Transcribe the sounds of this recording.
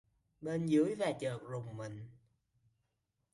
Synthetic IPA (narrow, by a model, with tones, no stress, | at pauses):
ɓe˧nzɨ̰˨˦əjvaː˨˩t͡ɕəː˨˩k̚zʊ˨˩ŋ͡mmï˨˩ŋ̟